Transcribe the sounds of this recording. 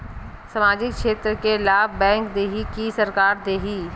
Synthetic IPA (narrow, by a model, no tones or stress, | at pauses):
sɐmaːd͡ʒɪkʃeːt̪ɾəkelaːbbɛ̃ːŋkd̪eːɦikisɐɾkaːɾd̪eːɦiː